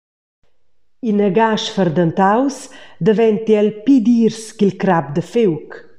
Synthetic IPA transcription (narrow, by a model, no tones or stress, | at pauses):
inəɡaʃfərd̪ənt̪awsd̪əvɛnt̪jɛlpid̪iɾskilkɾap̚d̪əfewk